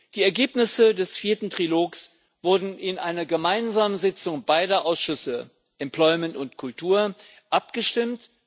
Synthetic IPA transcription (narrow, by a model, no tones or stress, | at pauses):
d̥iːɛɐɡeːpnɪsədɛsfiːɐtn̩tʁ̥iloːks | v̥ʊɐdn̩ɪnʔaɪnɐɡəmaɪnzaːmənzɪt͡sʊŋbaɪdɐʔaʊsʃʏsə | ʔɛmpl̥ɔʏmɛntʊntkʰʊltʰuːɐ | ʔapɡ̥əʃtɪmt